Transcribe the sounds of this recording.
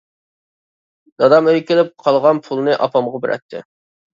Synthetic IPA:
d̪ɑd̪ɑmøjkʲilɪp̚qʰɑlˠʁɑnpʰulˠnɨʔɑpʰɑmʁɑbɪɾʔɛ̰t̪ʰːɪ̰

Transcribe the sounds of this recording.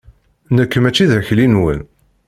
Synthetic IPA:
nəkːəmæt͡ʃːiðəçlinwə̰n

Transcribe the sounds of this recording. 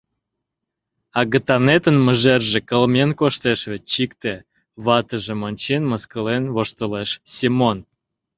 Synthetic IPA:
ɑɣət̪ɑnet̪ənmə̆ʒerʒĕkəlmenkoʃt̪eʃβet͡ɕikt̪e | βɑt̪əʒĕmonʲt͡ɕenməskəlenβoʃt̪əleʃsʲimon

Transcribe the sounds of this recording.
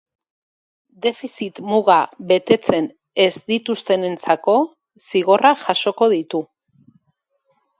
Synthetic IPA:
d̪e̞fisit̪muɣaβe̞t̪e̞t͡se̞n | e̞zd̪it̪ust̪e̞ne̞nt͡sako̞ | siɣ̞o̞raʝaʃo̞ko̞ð̞it̪u

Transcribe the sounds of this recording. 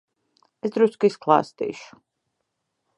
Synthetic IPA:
ɛsd̪ɾuskiskʰlˠa̰st̪ḭʃu̥

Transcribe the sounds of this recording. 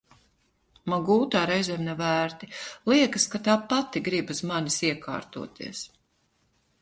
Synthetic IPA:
maɡuːt̪aːɾɛjzɛːmnɛvæːɾt̪ilˠiɛkɐskat̪aːpat̪iɡɾibuzmanisiɛka̰ːɾt̪ṵɔt̪ʰḭɛs

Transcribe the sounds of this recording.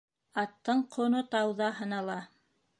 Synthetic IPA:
ɑt̪ːɤɴqʰŏnot̪ɑwðɑɦɤ̆nɑlˠɑ

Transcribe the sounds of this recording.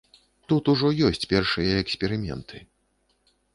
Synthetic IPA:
t̪ut̪uʐɔjɔsʲt͡sʲpʲɛrʂɨjɐɛksʲpʲɛɾɨmʲɛ̰nt̪ʰɨ̥

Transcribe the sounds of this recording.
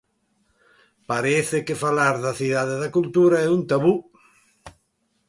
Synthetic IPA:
paɾeθɪkɪfalaɾðɐθiðaðeðakult̪uɾaɛunt̪aβu

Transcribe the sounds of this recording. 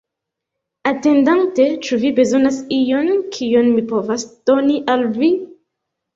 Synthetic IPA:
atendantet͡ʃuvibe̞zonasijonkʰijonmipovasd̥oniʔalvi

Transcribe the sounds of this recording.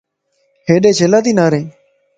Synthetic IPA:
ɦeːɗẽːt͡ʃʰeːlãːt̪iːnaːɾẽː

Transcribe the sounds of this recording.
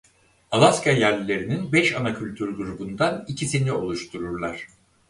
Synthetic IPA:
alˠaskʰajæɾlʲːe̞ɾininbɛʃanacʰylʲt̪ʰyɾɡuɾubund̪anicʰisinio̞lˠuʃt̪ʰuɾuɾlˠaɾ̥

